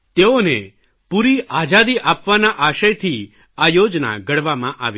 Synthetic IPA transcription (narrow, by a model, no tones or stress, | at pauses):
t̪eone | puɾiad͡ʒad̪iʔapʋanaʔaʃəjt̪ʰi | ajod͡ʒna̰ɡəɽʋamãʔa̰ʋi